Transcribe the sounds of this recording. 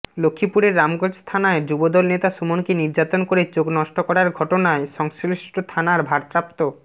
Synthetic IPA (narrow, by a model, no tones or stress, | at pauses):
lokʰːipuɾeɾːamɡod͡ʑst̪ʰanaed͡ʑubod̪ɔlnet̪aʃumonkiniɾd͡ʑat̪onkoɾet͡ɕoɡnɔʃʈokɔɾaɾɡʱɔʈonaeʃɔŋsiʃʈot̪ʰanaɾbʱaɾpɾap̚t̪o